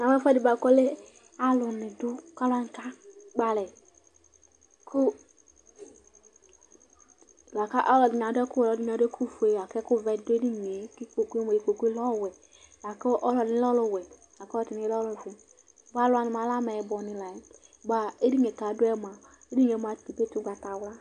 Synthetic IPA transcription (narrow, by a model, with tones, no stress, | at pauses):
na˨mɛ˦fɛ˦di˨ba˨kɔ˦le˦ | a˨lʊ˨ni˨dʊ˦ka˦la˦ŋ˨ka˦ɡ͡ba˨lɛ˨ | kʰʊ˦˨ | la˨ka˦ʔɔ˦lɔ˨di˨ɲ˨a˨˦dɛ˦kʊ˦ɔ˨lɔ˨˦di˦˨a˨dɛ˦kʰu˦fu˨e˨a˨kɛ˦kʊ˦˨vɛ˨˦dʊ˦e˦di˦ɲe˨ki˦ko˨ke˦m˨i˨ko˨ku˦e˦lɔ˦˨wɛ˨ | la˨kɔ˦ʔɔ˦lɔ˨ni˨˦lɔ˦lo˨wɛ˨ | la˨kti˨i˨˦lɔ˦lo˨vu˨ | ba˦lʊ˦a˨ni˨ma˨˦la˦mɛ˨bɔ˨nĩ˨la˨jba˨e˦di˦e˨ka˨˦dʊ˦ɛ˦m˨a˨ | e˦di˦ɲ˨e˨˦m˦a˨ti˨pe˦tu˦ɡa˨ta˨wla˦